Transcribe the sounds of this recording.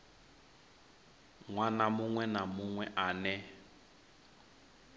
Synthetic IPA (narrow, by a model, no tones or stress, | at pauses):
ŋwanamʊŋwɛnamʊŋwɛʔanɛ